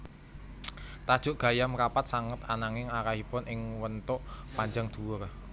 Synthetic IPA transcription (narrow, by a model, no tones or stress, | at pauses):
t̪ad̥ʒ̥ʊ̤ʔɡ̥a̤jamkapat̪̚saŋət̪anaŋɪŋaɾahipʊnʔɪŋwənt̪ʊʔpaɲd͡ʒaŋd̪̥ṳwʊr